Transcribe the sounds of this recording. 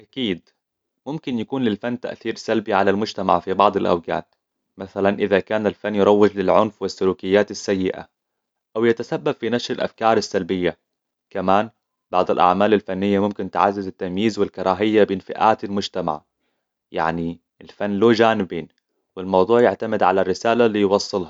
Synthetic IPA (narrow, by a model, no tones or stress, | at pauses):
ʔakiːd̪ | mʊmkɪnjakuːnlɪlfanːt̪a̰ʔθiːɾsalbiʕalalmʊd͡ʒt̪ama̰ʕfibɑʕd̪ˤɪlʔa̰wɡa̰ːt̪ | maθalanʔɪðakaːnalfanːjɪɾˤɑwːɪd͡ʒlɪlʕʊnfwɪsːʊɾuːkɪjːaːt̪asːajːɪʔa̰ | ʔawjat̪asabːab̥finaʃɾɪlʔa̰fkɑːɾˤasːalbɪjːa | kamaːn | b̥ɑʕd̪ˤɪlʔa̰ʕmaːlalfanːɪjːamʊmkɪnt̪ɪʕa̰zːɪzɪt̪ːamjiːzwɪlkɑɾˤɑːɦɪjːabɪnfɪ̰ʔa̰ːt̪ɪlmʊd͡ʒt̪ama̰ʕ | ja̰ʕni | ɪlfanːloːd͡ʒaːnɪbiːn | wɪlmɑwd̪ˤuːʕjɪʕt̪amɪd̪ʕalarːɪsaːlalijwɑsˤːɨlhɑ